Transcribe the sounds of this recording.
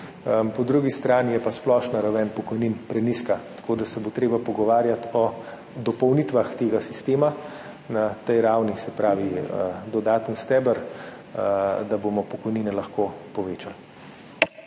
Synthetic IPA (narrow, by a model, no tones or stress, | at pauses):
pɔd̪ɾuɡist̪ɾaːnijɛpasplɔːʃnaɾawɛnpɔkɔjninpɾɛniskat̪ḁkoːd̪asɛbot̪ɾeːbapɔɡɔʋaːɾjat̪ɔ | d̪ɔpɔwnit̪ʋaxt̪eːɡasist̪eːma | nat̪ɛjɾawnisɛpɾaːʋiəd̪ɔd̪aːt̪ənst̪ɛːbəɾ | d̪aboːmɔpɔkɔjniːnɛlɐxkopɔʋeːt͡ʃal